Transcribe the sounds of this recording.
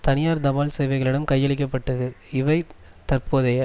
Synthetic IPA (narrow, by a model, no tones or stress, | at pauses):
t̪ɐnɪjaːɾd̪ɐʋaːlsɛjʋɐɪɣɐɭɪɽɐmkɐɪjːɐɭɪk̬ːɐpːɐʈːɯɯɪʋɐɪ | t̪ɐɾpoːðɐjɐ